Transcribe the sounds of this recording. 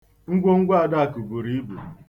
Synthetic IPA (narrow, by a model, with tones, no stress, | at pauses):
ŋ̩˦ɡʷo˦ŋ̩˦ɡʷa˦a˦˨da˦a˨ku˨bu˨ɾi˦i˦bṵ˨